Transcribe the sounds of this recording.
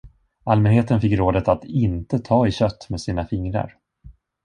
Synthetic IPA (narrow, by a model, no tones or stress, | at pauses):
almɛnheːt̪ənfɪkːɾoːd̪ət̪at̪ɪnt̪ət̪ʰɑːɪɕœt̪ːmeːd̪siːnafɪŋɾa̰ɾ